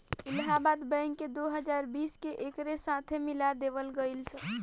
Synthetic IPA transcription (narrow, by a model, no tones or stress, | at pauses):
ilɦabat̪bə̃jŋked̪oɦəd͡ʒaɾbiskeʔekɾesat̪ʰemilad̪eβəlɡəɪlsə̃